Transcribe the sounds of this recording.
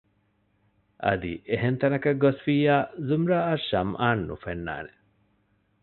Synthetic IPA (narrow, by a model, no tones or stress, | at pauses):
ʔɐ̰d̪ḭʔeɦent̪ɐnɐkɐɡosfiːjaːzumɾaːɐʃɐmʔaːnːṵfenːa̰ːne